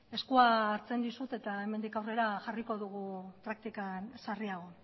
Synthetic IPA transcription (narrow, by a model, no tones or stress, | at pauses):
e̞skuaːɾt͡se̞nd̪isut̪e̞t̪ae̞me̞nd̪ikawre̞ɾaʝariko̞ðuɣ̞ut̪ɾak̚t̪ikansariaɣ̞o̞